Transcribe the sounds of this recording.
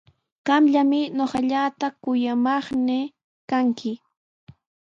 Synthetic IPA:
ɢ̥ɑmʎamɪɲoχɑʎat̪akʊjamɑχnɪ | kaŋkʰɪ

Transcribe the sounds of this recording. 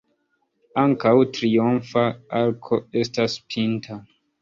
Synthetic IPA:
aŋkawtɾionfaaɾkʰoestaspʰintʰa

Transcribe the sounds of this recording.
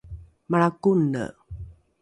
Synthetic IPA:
maɭakunə̰

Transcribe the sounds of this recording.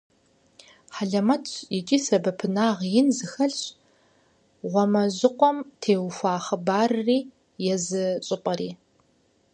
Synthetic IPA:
ħaɮɐmɐtʰjɪt͡ʃʼiːsɐbɐpʰɨnaːʁjɪnzɨxɐɮɕ | ʁʷɔmɐʑɪqʷʼɔmtʰeːwfʷaːχɐbaːrriː | jɛzɨɕʼɪpʼɐɾiː

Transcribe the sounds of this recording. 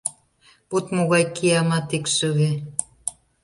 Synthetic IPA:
put̪moɣɑjkiɑmɑt̪ikʃəɣe

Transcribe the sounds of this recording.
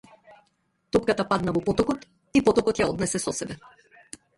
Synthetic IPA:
t̪ɔpkat̪apad̪navɔpɔt̪ɔkɔt̪ | ipɔt̪ɔkɔt̪jaɔd̪nɛsɛsɔsɛbɛ

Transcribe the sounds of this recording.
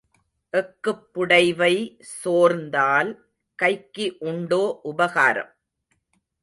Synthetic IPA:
ʔɛkːɯpːʊɽɐɪʋɐɪ | soːɾnd̪aːl | kɐɪkːiʔʊɳɖoːʔʊbɐɣaːɾɐ̰m

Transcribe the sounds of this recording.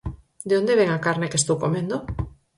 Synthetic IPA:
d̪eond̪eβeŋakaɾnekest̪owkomẽnd̪o

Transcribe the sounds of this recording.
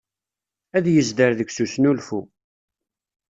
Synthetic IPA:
æðjəzd̪əɾðəɡʷsusnulfu

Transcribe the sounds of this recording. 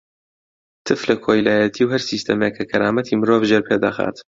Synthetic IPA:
t̪ʰɨflɐkʰoːjlaːjɐt̪ʰiːwhɐɾsiːst̪ɐmekʰːɐkʰɐɾaːmɐt̪ʰiːmɨɾoːvʒeːɾpʰed̪a̰xa̰ːt̪

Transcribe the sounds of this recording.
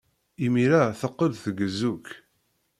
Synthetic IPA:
imiɾaθəqːəlθəɡəzːuk

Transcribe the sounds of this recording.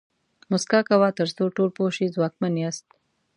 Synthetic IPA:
mʊskɑkawɑt̪əɾsoʈolpoʃizwɑkmanjast̪

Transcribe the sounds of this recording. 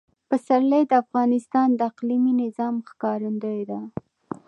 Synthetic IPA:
pəsaɾləjd̪əafɣɑnɪst̪ɑnd̪əaqliminɪzɑmxkɑɾənd̪əjd̪a

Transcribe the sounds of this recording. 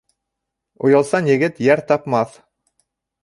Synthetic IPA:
ṵjɑlˠsɑnjɘ̆ɡɘt̪jæɾt̪ɑpmɑθ

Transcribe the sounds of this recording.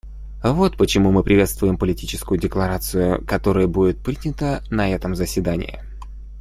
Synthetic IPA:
vo̞t̪pət͡ɕɪmumɨpɾʲɪvʲe̞t̪st̪vʊjɪmpəlʲɪtʲit͡ɕɪ̥skʊjʊdʲɪklˠɐɾat̪sɨjʊ̰kɐt̪o̞ɾəjəbudʲɪt̪̚pɾʲidʲnʲɪt̪ənɐɛt̪əmzəsʲvʲɪd̪anʲɪ̰jɪ̰

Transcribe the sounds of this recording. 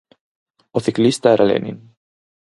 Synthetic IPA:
oθiklist̪aeɾʔalḛnḭn

